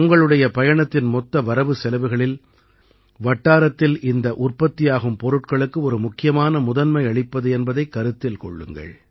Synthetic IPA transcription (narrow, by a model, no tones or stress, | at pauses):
ʊŋɡɐɭɯɽɐjɐpɐjɐɳɐt̪ːɪnmɔt̪ːɐʋɐɾɐʋɯsɛlɐʋɯɣɐɭɪl | ʋɐʈːaːɾɐt̪ːɪlʔɪnd̪ɐʔʊrpɐt̪ːɪjaːɣɯmpɔɾɯʈkɐɭɯkːɯɔɾɯmʊkːɪjɐmaːnɐmʊðɐnmɐɪɐɭɪpːɐðɯɛnbɐðɐɪkːɐɾɯt̪ːɪlkɔɭːɯ̰ŋɡɐ̰ɭ